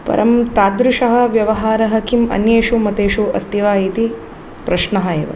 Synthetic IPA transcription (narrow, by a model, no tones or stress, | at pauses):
pɐ̰ɾʔɐmt̪aːd̪ɾuʂɐɦɐ̆ʋjɐʋɐɦaːɾɐɦɐkimɐ̰njeːʃumɐt̪eːʃuɐst̪iʋaːjiːt̪i | pɾɐʃnɐɦɐḛːʋɐ̰